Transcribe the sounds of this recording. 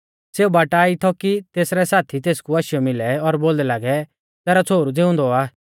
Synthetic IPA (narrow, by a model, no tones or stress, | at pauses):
seːubaːʈaːit̪ʰɔkit̪eːsɾɛsaːt̪ʰit̪eːskuaʃɪjɔmɪlɛɔɾboːld̪ɛlaːɡɛ | t̪ɛːɾɔt͡sʰoːɾud͡zɪʊ̃nd̪ɔaː